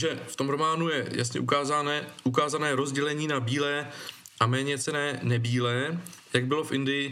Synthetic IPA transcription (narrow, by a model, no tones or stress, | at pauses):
ʒɛft̪omɾomaːnujɛja̰sɲɛ̰ʔukaːzanɛʔukaːzanɛːɾo̞zɟɛlɛɲiːnabiːlɛːʔamɛːɲɛt͡sɛnɛːnɛbiːlɛjaɡbɪlo̞fʔɪndɪjɪ